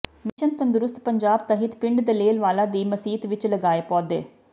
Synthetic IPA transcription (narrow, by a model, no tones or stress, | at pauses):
mɪʃənt̪ə̃nd̪ʊɾʊst̪pəɲd͡ʒaːbt̪əɦɪt̪pɪ̃ɳɖd̪eleːlʋaːlãːd̪iːməsiːt̪ʋɪt͡ʃləɡaːeːpɔːd̪ḛː